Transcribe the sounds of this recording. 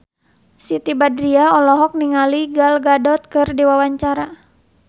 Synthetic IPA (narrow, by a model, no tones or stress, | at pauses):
sit̪ibadɾiaɔlɔɦɔk̚niŋaliɡalɡadɔt̪̚kɨrdiwawaɲt͡ʃaɾa